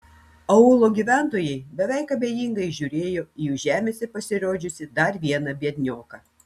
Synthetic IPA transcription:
ɐʊlˠoːɡʲiːʋʲæˑnt̪oːjɛɪbʲɛʋʲɛɪkɐbʲeːjiŋɡɐɪʒʲuːɾʲeːjoːjuːʒʲæːmʲeːsʲɛpɐsʲɪɾoːd͡ʒʲʊsʲɪd̪ɐɾʋʲiɛnɐbʲiɛd̪ʲnʲoːkɑː

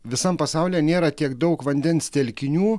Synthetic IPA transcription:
ʋʲɪsɐmpɐsɑʊlʲeːnʲeːɾɐt̪ʲiɛkd̪ɐʊkʋɐnʲd̪ʲɛnst̪ʲɛlʲkʲɪnʲuː

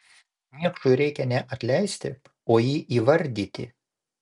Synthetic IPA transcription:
mʲiɛkʃʊɪɾʲɛɪkʲɛnʲɛʔɐt̪ʲlʲɛɪsʲt̪ʲɪ | oːjiːʔiːʋɐɾʲd̪ʲiːt̪ʲɪ̰

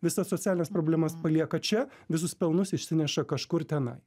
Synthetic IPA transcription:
ʋʲɪsɐsot̪sʲæːlʲɪnʲespɾoːbʲlʲɛmɐspɐlʲiɛkɐt͡ʃʲɛʋʲɪs̬ʊspʲɛlˠnʊsɪʃʲsʲɪnʲɛʃɐkɐʃkʊɾt̪ʲɛnɐ̰ɪ

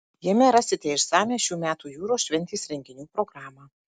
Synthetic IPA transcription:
jiɛmʲɛɾɐsʲɪt̪ʲeɪʃsɑːmʲeːʃʲuːmʲæːt̪uːjuːɾoːʃʲʋʲɛnʲt̪ʲiːsɾʲɛŋʲɡʲɪnʲuːpɾoɡɾɑːmɑː

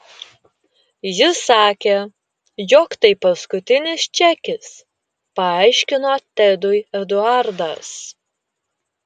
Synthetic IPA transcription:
jɪsɑːkʲeː | jɔkt̪ɐɪpɐskʊt̪ʲɪnʲɪst͡ʃʲækʲɪs | pɐɑˑɪʃʲkʲɪnoːt̪ʲɛd̪ʊjɛd̪ʊɑɾd̪ɐs

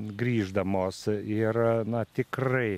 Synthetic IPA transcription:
ɡɾʲiːʒd̪ɐmoːsɪrnɐt̪ʲɪkrɐɪ

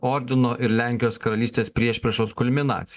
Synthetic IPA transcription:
ɔɾʲd̪ʲɪnoːʔɪɾlʲæŋʲkʲɪjoːskɐɾɐlʲiːst̪ʲeːspʲɾʲiɛʃʲpʲɾʲɛʃoːskʊlʲmʲɪnɑ̰ːt̪sʲɪ

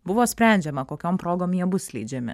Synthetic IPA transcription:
buʋospɾɛːnd͡ʒɛmakokʲɔmpɾoːɡɔmiobuslḭd͡ʒɛmɛ

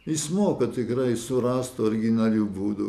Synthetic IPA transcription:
ɪsmoːkɐt̪ʲɪkrɐɪsʊɾɑːst̪ʊɔɾʲɡʲɪnɐlʲuːbuːd̪ʊ

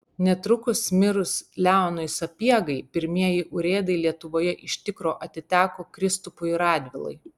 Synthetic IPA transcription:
nʲɛt̪ɾʊkʊsmʲɪɾʊslʲæˑʊnʊɪsɐpʲiɛɡɐɪpʲɪɾʲmʲiɛjɪʔʊɾʲeːd̪ɐɪlʲiɛt̪ʊʋoːjɛʔɪʃʲt̪ʲɪkɾoːʔɐt̪ʲɪt̪ʲæːkoːkɾʲɪst̪ʊpʊɪɾɑːd̪ʲʋʲɪlˠɐ̰ɪ

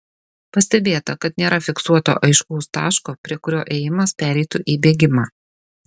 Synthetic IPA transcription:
pɐsʲt̪ʲɛbʲeːt̪ɐkɐt̪nʲeːɾɐfʲɪksuɔt̪o̰ːʔɐɪʃkuʊst̪ɑ̰ːʃkoːpʲɾʲiɛkʊɾʲoːʔeːjɪmɐspʲæːɾʲɛɪt̪ʊʔiːbʲeːɡʲɪmɑː

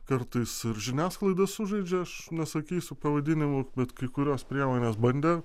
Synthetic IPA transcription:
kɐɾt̪ɐɪsɪɾʒʲɪnʲæːsklˠɐɪd̪ɐssʊʒɐɪd͡ʒʲɛɐʃnʲɛsɐkʲiːsʲʊpɐʋɐd̪ʲɪnʲɪmʊbʲɛt̪kɐɪkʊɾʲoːspʲɾʲiɛmoːnʲeːsbɐnʲd̪ʲeː

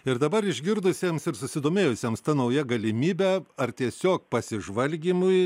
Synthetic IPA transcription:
ɪɾd̪ɐbɐɾɪʒʲɡʲɪɾd̪ʊsʲeːmsɪɾsʊsʲɪd̪oːmʲeːjʊsʲeːmst̪ɐnɐʊjɛɡɐlʲɪmʲiːbʲɛɐrt̪ʲiɛsʲoːk̚pɐsʲɪʒʋɐlʲɡʲiːmʊɪ

